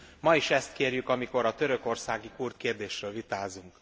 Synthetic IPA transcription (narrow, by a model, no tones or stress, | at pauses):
mɒiʃɛst̪keːrjykɒmiko̞ɾɒt̪ø̞ɾø̞ko̞rsaːɡikurt̪̚keːrd̪eːʃrøːlvit̪aːzuŋk